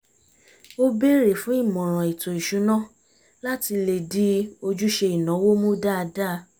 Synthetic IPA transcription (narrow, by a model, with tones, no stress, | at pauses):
o˦be˦ɾe˨fũ˨˦i˦˨mɔ̃˨ɾ̃ɔ̃˨i˨to˨i˨ʃu˨˦nã˦˨ | la˦ti˧le˨di˦o˧d͡ʒu˦ʃe˧i˨nã˨˦wo˦mũ˦da˦˧da˦˧